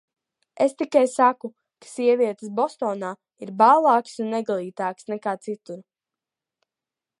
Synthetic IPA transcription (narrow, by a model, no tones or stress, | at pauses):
est̪ikajsaku | kḁsiɛvʲiɛt̪ə̥sbɔst̪ɔːnaː | iɾbalˠɑːksunːɛɡalˠiːt̪aːksnɛkaːt̪sit̪uɾ